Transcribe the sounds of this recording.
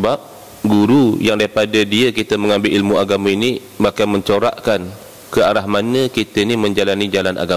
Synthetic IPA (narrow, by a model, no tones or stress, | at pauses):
səbap̚ | ɡuɾujaŋdaipadadiəkit̪əməŋãmbɪlʔilmũaɡamãini | makamə̃ɲt͡ʃoɾa̰ʔkan | kəaɾaɦmanəkit̪əinimə̃ɲd͡ʒalanid͡ʒalanʔa̰ɡa